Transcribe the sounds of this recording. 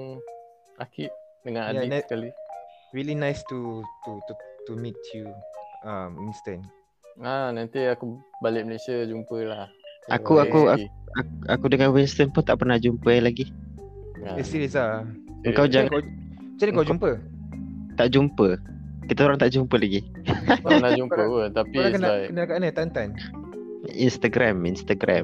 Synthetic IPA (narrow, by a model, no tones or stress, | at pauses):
akiʔdəŋãnadiə̥kaliɹilinajstut̪utut̪umitʰjuaminstə̃n | anant̪iakubalɪʔ̚məlesiad͡ʒumpəlahʔa̰kuakuaaakudəŋanwinst̪ənpunt̪aʔpərnahd͡ʒumpəjalaɡi | isiɾisa | əŋkawd͡ʒaŋka | t͡ʃankawd͡ʒumpə | t̪aʔd͡ʒumpə | kit̪auɾaŋt̪aʔd͡ʒumpəlaɡi | anad͡ʒumpəənt̪apiakənakənakanət̪ant̪an | ḭnst̪aɡɾaminst̪aɡɾʔa